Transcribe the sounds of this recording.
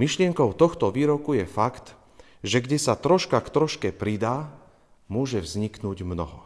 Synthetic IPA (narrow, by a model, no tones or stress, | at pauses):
miʃlɪɛŋkɔʊt̪ɔxt̪ɔʋiːɾɔkujɛfakt̪ | ʒɛɡɟɛsat̪ɾɔʃkakt̪ɾɔʃkɛpɾid̪aː | mʊɔʒɛvzɲiknuːɟmnɔ̰ɦɔ̰